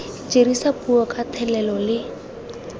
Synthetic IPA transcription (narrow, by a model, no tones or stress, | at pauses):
t͡ʃʼeɾisapʼuɔkʼat̪ʰɛlɛlɔlɪ